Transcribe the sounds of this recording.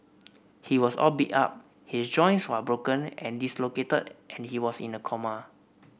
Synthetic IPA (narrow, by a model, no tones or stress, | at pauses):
hiwɔsɔ̰lbita̰p̚ | hisd͡ʒɔ̃j̃nswəbɹokə̃nɛ̰̃ndisloketədʔɛ̃nhiwɔsḭ̃nəkʰɔmə